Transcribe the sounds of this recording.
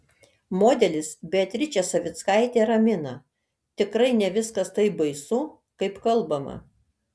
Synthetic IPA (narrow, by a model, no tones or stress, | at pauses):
moːd̪ʲɛlʲɪsbʲɛɐt̪ʲɾʲɪt͡ʃʲɛsɐʋʲɪt̪skɑɪt̪ʲeːɾɐmʲɪnɐ | t̪ʲɪkɾɐɪnʲɛʋʲɪskɐst̪ɐɪbɐɪsʊ | kɐɪpkɐlˠbɐmɐ̰